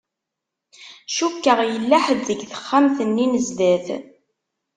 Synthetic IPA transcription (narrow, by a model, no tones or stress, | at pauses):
ʃukːəʁjəlːæħəðːəɡθə̥χːamθənːinəzd̪æθ